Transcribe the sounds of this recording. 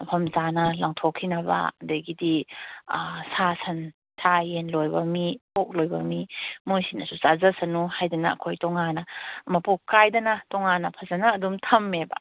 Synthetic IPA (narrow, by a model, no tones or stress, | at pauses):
ɐpʰɐmzanɐlaŋtʰokʰːinɐba̰dɐjɡidi | sasʰɐn | sʰajenlojbɐmipok̚lojbɐ̰mimojsinɐsusazɐsɐnuhajdɐnɐ̰ːkʰojtɔŋanɐmɐpokːajdɐnɐtɔŋanɐpʰɐzɐnɐːdumtʰɐmːebɐ̰